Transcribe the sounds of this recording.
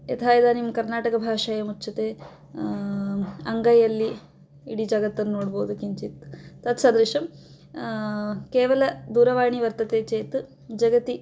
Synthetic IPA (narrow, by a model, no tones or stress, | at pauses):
jḛt̪ʰaːjɐd̪aːnimɐkɐɾnaːʈɐkɐbʱaːʂaːjɐmut͡ʃːt͡ʃʰːɐt̪eː | ɐŋɡɐjɐlːi | iɽid͡ʒɐɡɐt̪ːɐnːunoːɽboːud̪ukiɲt͡ʃit̪ːɐt̪sad̪ɾiʂɐm | keːʋɐlɐd̪uːɾɐʋaːɳiʋɐɾt̪ɐt̪eːt͡ʃeːt̪ | d͡ʒɐɡɐt̪i